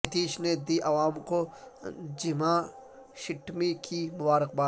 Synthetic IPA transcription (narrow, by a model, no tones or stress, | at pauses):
t̪iːʃned̪iːʔɐʋaːmko | d͡ʒɪmã | ʃɪʈʰmikimʊbaːɾɪq̚baː